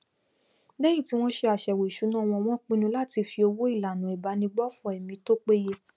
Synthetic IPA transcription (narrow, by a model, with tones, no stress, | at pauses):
dɛ˦ji˦˨ti˨˦w̃ɔ̃˦ʃe˧a˨ʃɛ˨we˨i˨ʃu˨˦nã˦˧w̃ɔ̃˧w̃ɔ̃˦k͡pĩ˦nũ˧la˦˨ti˧fi˧o˧wo˦i˦˨la˨nũ˨i˨ba˨˧˦nĩ˧ɡ͡bɔ˦fɔ˦˨ɛ˨mĩ˧˦to˦k͡pe˦je˧